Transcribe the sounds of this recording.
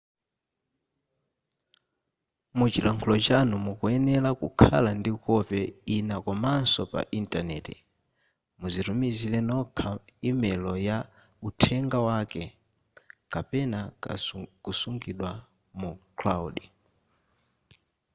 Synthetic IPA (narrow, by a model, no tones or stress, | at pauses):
mut͡ʃilaŋkʰulɔt͡ʃanumukuɛnɛlakukʰa̰landikɔpɛinakɔmansɔpa̰ʔintʼanɛ̰ːtɛ | muziɾumizilɛnɔkʰaimɛlɔja | utʰɛŋɡawakɛ | kapɛna | kusuŋɡiɗwa | mukʰlauɗi